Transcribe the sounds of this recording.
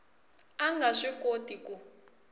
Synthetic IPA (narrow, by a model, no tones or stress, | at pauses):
aŋɡʱaʂikotiku